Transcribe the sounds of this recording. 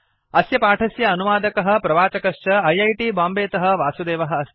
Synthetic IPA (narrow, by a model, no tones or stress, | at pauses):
ɐsjɐpaːʈʰɐsjɐːnuʋaːd̪ɐkɐɦɐ̆pɾɐʋaːt͡ʃɐkɐʂt͡ʃɐɐjɐjʈiːbaːmbeːt̪ɐɦɐ̆ʋaːsud̪eːʋɐɦɐ̆ɐ